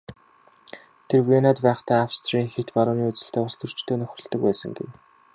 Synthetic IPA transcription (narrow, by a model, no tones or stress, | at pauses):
t̪ʰerwenat̪pæːχt̪æːafst̪ʰriːŋxet̪paɾʊːniːut͡sɘ̆ɬt̪ʰeːʊst̪ɵ̆r̥t͡ɕt̪ʰoːnœxʲrə̆ɮt̪ə̆k̚pæːsə̆ŋɡḛw